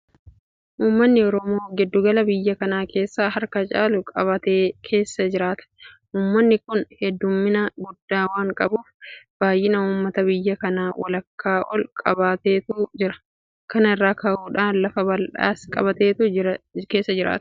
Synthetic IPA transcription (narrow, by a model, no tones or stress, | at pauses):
ʔuːmːɐnːɪɔɾɔmoːɡɛd̪ːʊɡɐlɐbɪjːɐkɐnaːke̞ːsːaːhɐɾkɐt͡ʃʼaːlʊkʼɐβɐt̪eːkʰe̞ːsːɐd͡ʒɪɾaːt̪ɐ̥ | ʔuːmːɐnːɪkʊnhɛd̪ːʊmːɪnɐɡʊd̪ːaːwaːŋkʼɐbuːfb̥aːjʔɪnɐuːmːɐt̪ɐbɪjːɐkɐnaːwʔɐ̰lɐkːaːʔɔlkʼɐbaːt̪eːt̪uːd͡ʒɪɾɐ̥ | kɐnɪrːaːkʰɐʔuːᶑaːnlɐfɐbɐlᶑa̰ːskʼɐ̰bɐt̪eːt̪uke̞ːsːɐd͡ʒɪɾa̰ːt̪ɐ̥